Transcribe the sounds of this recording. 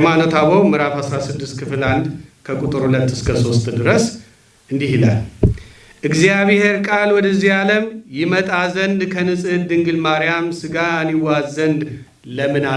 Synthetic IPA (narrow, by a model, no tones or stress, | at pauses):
manot̪ʰaβowmɨɾafasɾasɨd̪ːɨst̪kʰɨfɨland̪kʰəkʼut̪ʼɨɾhulət̪ːɨskʰəso̞st̪ʼd̪ɨɾəs | ɨnd̪ihila̰l | ʔɨɡzijaβhe̞ɾkʼalwɔd̪əzijaləmjɪmət̪ʼazənd̪kʰənɨsʼɨd̪ɨŋɡɨlmaɾijamsɨɡaniwazənd̪ | ləmɨna